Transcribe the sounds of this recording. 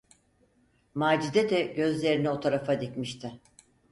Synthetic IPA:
maːd͡ʒizɛd̪ɛɟø̞zlʲe̞ɾinio̞t̪ʰaɾafad̪icmiʃt̪ʰɪ

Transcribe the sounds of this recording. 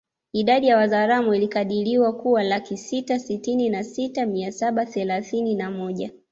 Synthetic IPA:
iɗaɗijawazaɾamuilikaɗiliwakuwalakisitasitininasitamiasaɓaθɛlaθininamɔʄa

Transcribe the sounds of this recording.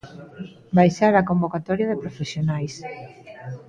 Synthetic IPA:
bajʃaɾakombokat̪ɔɾjaðɪpɾofesjonajs

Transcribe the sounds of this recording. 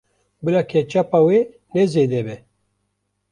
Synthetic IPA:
bɨlaːkʰɛt͡ʃapawe | nɛzeːd̪ɛbɛ

